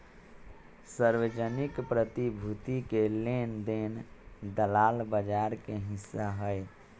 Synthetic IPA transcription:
səɾwed͡ʒənɪkpɾət̪ibʱut̪ikelend̪end̪əlaːlbəd͡ʒaɾkeɦɪsːaɦəe

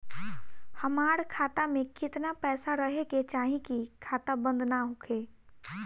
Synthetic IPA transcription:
hɐmaːɾkʰaːt̪amẽkɪt̪napɛːsaɾəɦeket͡ʃaːɦĩkikʰaːt̪abə̃nd̪naɦokʰeː

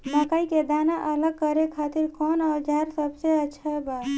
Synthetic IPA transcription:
məkaiked̪anaʔələɡ̚kəɾekʰat̪iɾkɔnad͡ʒaɾsəbseəːt͡ʃʰʃʰəba

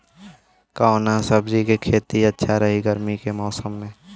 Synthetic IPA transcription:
kaonasəbd͡ʒikekʰeːt̪iɐtːʃʰaɾɐɦiɡəɾmikemɔːsəmːẽː

